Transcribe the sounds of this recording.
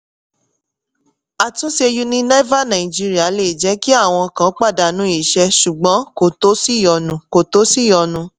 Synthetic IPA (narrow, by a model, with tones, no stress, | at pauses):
a˨tũ˨˦ʃe˧ju˦nĩ˦nɛ˦va˦˨nã˨ĩ˨d͡ʒi˦ɾi˦a˦˨le˦˨d͡ʒɛ˨˦ki˦a˦˨w̃ɔ̃˧kã˨˦k͡pa˦˨da˨nũ˨˦i˨ʃɛ˧ʃu˨ɡ͡bɔ̃˨˦ko˨to˨˦si˦˨jɔ˧nũ˨˦ko˨to˨˦si˦˨jɔ˧nũ˧